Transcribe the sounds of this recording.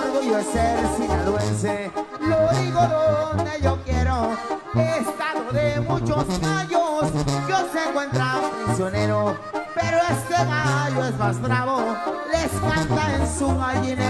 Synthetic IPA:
wand̪ojoeseɾsiɲaðwenseloðiɣoðoneʝokjeɾoest̪aðoðemũt͡ʃozɣaʎosjoseŋkwẽnt̪ɾapɾisjoneɾo | peɾoest̪eɣaʎoezβast̪ɾaβoleskant̪aensuɣaʎine

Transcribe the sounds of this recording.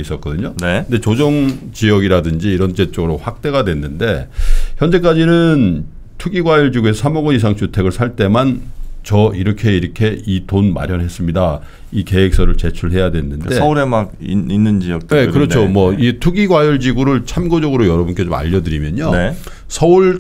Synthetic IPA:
is͈ʌt̚k͈ʌdɯɲoneɯndet͡ɕod͡ʑʌŋt͡ɕijʌɡiɾadɯnd͡ʑiːɾʌnt͡ɕ͈e̞t͡ɕ͈ʌɡɯɾoɸwak̚t͈e̞ɣadwe̞nːɯnde̞çjʌnd͡ʑe̞k̬͈ad͡ʑinɯn | tʰuɡiɡwajʌɭd͡ʑiɡue̞sʰamoɡwʌnis̬ʰaŋt͡ɕʰutʰe̞ɡɯɭsʰaɭt͈e̞mant͡ɕʌiɾʌkʰe̞iɾʌkʰe̞itonma̰ɾjʌnɦe̞s͈ɯmɲida | ike̞ek̚s͈ʌɾɯɭt͡ɕe̞t͡ɕʰuɭɦe̞jadwe̞nːɯnde̞uɾemaɡiinːɯnd͡ʑijʌk̚tne̞kɯɾʌt͡ɕʰomwʌitʰuɡiɡwajʌɭd͡ʑiɡuɾɯɭt͡ɕʰamɡod͡ʑʌɡɯɾojʌɾʌbunk͈e̞t͡ɕoma̰ʎːʌdɯɾimjʌɲone | sʰʌuɭ

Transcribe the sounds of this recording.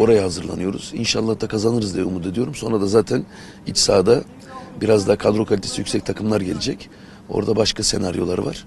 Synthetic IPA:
o̞ɾajahazɯɾlˠa̰nɯjo̞ɾṵz̥inʃalˠːahd̪akʰazanɯɾɯzd̪ijɛumut̪ed̪ijo̞ɾumso̞nɾad̪azaːt̪ʰæn | it͡ʃsaːd̪a | biɾazd̪aːkʰad̪ɾo̞kʰolʲit̪ʰesijycsɛc̚t̪ʰakʰɯmlˠaɾɟelʲed͡ʒɛc | o̞̰ɾd̪abaʃkʰase̞̰naɾjo̞̰lˠaɾɯva̰ɾ̥

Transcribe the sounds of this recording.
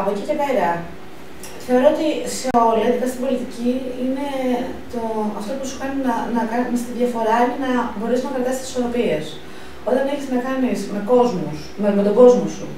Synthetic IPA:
ɐpo̞cice̞pe̞ɾɐ | θe̞oɾo̞ot̪iseo̞lɐðikɐst̪ibo̞lit̪iciine̞ | t̪o̞ɐft̪o̞pusu̥kɐninɐnɐkɐnnst̪iðʝɐfo̞ɾɐinenɐbo̞ɾesnɐpeɾt̪ɐst̪si̥soɾo̞pie̞s | o̞t̪ɐneçiznɐkɐnisme̞ko̞zmusmemet̪o̞ɡo̞zmosṵ

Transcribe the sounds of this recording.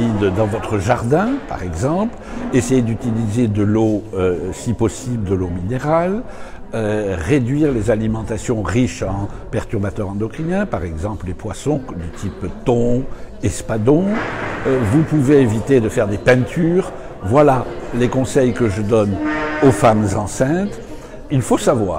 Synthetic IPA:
id̪d̪ɑ̃vɔt̪χəʒaʁd̪ɛ̃pa̰ʁɛɡzɑ̃plesejed̪yt̪ilized̪əloøsipɔsibləd̪əlomineʁaløʁed̪ɥiʁlezalimɑ̃t̪asjɔ̃ʁiʃɑ̃pɛʁt̪yʁbat̪œʁɑ̃d̪ɔkχinɛ̃paʁɛɡzɑ̃pllepwasɔ̃d̪ət̪ʰipt̪ɔ̃ɛspad̪ɔ̃ | vupuveevit̪ed̪əfɛʁd̪epɛ̃t̪ʰyːʁ | vwalalekɔ̃sɛjkəʒəd̪ɔnofamzɑ̃sɛ̃t̪ | ilfosavwa̰ːʁ

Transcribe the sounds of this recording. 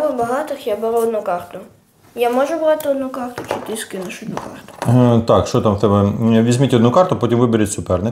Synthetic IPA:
ʋɪbɐɦɑt̪ɪxjabeɾuɔd̪nʊkɑrt̪ʊ | jamɔʒʊbɾɑt̪ɪɔd̪nukɑrt̪ʊt͡ʃɪt̪ʲisʲkɪnɐʃʊɔd̪nukɑrt̪ʊ̥t̪ɑkʃt͡ʃɔt̪ɑmwt̪ɛbɛʋʲizʲmʲitʲɔd̪nukɑrt̪ʊpɔtʲimʋɪbeɾʲɪtʲsʲʊpɛrnɪ

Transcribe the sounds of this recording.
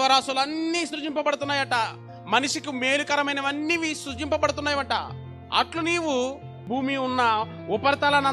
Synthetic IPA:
ʋɐɾaːsulɐnːiːsɾut͡ʃimpɐpɐɽut̪unːaːjɐʈɐ | mɐniʂikime̞ːlukɐɾɐmɐjnɐʋɐnːiʋisut͡ʃimpɐpɐɽut̪unːaːjiʋɐʈɐ̰ | ɐ̰ʈluniːwu | bʱuːmiunːɐ | upɐɾt̪ɐlɐnɐ

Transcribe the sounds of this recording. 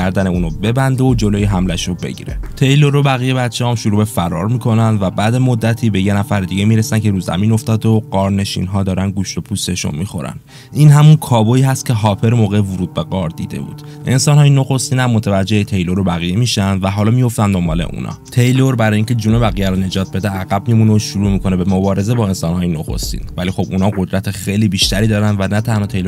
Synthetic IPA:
æɾd̪æneuːnobe̞bænd̪eod͡ʒo̞loːjeɦæmlæʃobe̞̰ɟḭɾe̞̰t̪ʰe̞jloɾobæɣijebæt̪t͡ʃʰehɒmʃuɾuːbe̞fæɾɒːɾmiːkʰo̞nænd̪væbæːd̪emo̞d̪ːæt̪ʰiːbe̞jenæfæɾed̪iɟemiɾesæncʰe̞ɾuːzæ̰miːno̞ft̪ɒːd̪oɢɒːɾne̞ʃḭnɦɒːd̪ɒːɾænd̪ɡuʃlopʰust̪e̞ʃṵnmixo̞̰ɾæ̰n | ʔiːnɦæmunkʰɒːboiːɦæst̪̚cʰe̞ɦɒːpʰe̞ɾmoːɣevuɾuːd̪̚be̞ɡɒːɾd̪ḭːd̪e̞̰bṵːd̪̥ʔe̞nsɒːnhɒːjeno̞xo̞st̪iːnæmːot̪ʰevæd͡ʒːe̞het̪ʰe̞jlo̞ɾobæɣijemiːʃænd̪væɦɒːlɒːmijo̞ft̪ænd̪o̞mbɒːle̞̰ʔṵnʔɒ̰ːt̪ʰe̞jloɾbæɾɒːjiːŋcʰe̞d͡ʒuːno̞bæɣijæɾone̞d͡ʒɒːt̪̚ʰbe̞d̪eæɣæb̥mimuneoʃuɾuːmikʰo̞ne̞be̞mobɒːɾe̞ze̞bɒːe̞nsɒːnhɒːjeno̞xo̰st̪ḭːnvælixo̞bunɒːɣo̞d̪ɾæt̪ʰexejliːbiːʃt̪æɾiːd̪ɒːɾænd̪vænæt̪ʰænhɒːt̪ʰejlo

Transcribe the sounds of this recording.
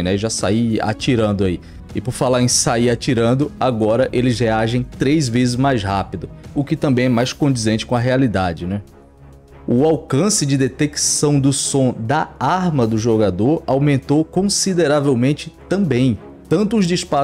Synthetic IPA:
nɛʒasa̰ia̰t͡ʃiɾɐ̃nd̪ʊai | ɪpʊɾfalaɾẽj̃saiat͡ʃiɾɐ̃d̪ʊaɡɔɾɐʔelɪzɦeaʒẽj̃t̪ɾejzvezɪzmajzhapid̪ʊʊkɪt̪ɐ̃mbẽj̃ɛmajskõd͡ʒ̪izẽt͡ʃɪ̥kõɐɦealid̪ad͡ʒɪnɛ | ʊawkɐ̃sɪd͡ʒɪd̪et̪eksɐ̃w̃d̪ʊsõd̪ɐaɾmɐd̪ʊʒoɡad̪oɾawmẽnt̪okõsid̪eɾavewmẽnt͡ʃɪt̪ɐ̃bẽj̃ | t̪ɐ̃nt̪ʊːzd͡ʒispa

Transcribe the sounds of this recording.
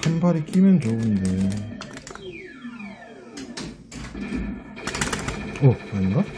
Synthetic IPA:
embaɾik͈ʼimjʌnt͡ɕounde | ʌaɲiŋɡa

